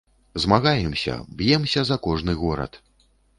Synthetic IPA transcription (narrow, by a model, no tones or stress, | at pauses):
zmaɣajɛmsʲɐ̰bjɛmsʲɐzɐkɔʐnɨɣɔɾɐ̰t̪